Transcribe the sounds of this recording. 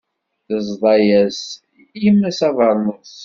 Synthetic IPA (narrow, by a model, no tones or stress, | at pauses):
θəzˤðˤɑjæs | imːæsɑvəɾˤnəsˤ